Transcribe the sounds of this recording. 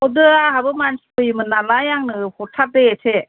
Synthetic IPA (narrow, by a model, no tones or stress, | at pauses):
ɔdɯaɦabɯmansi̥pʰɯjimɯnalajaŋnɯpʰɔtʰap̚d̪eetʰe